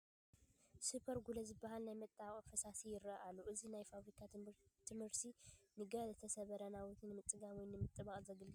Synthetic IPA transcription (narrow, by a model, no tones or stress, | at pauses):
supʰɐɾɡulɐzɨbːaɦalnajmɐt̪ʼːaβχʼfɨsasijɪɾɐʔalːuʔɨzinajfaβɾikʰat̪ʰɨmhɨɾt̪ʰinɨɡɐlɐt̪ʰɐsɐβɐɾɐnawɔt̪ʰnɨmɨt͡s̪ʼɨɡawɔjnɨmɨt̪ʼːɨβaχʼzɐɡɨlɡɨ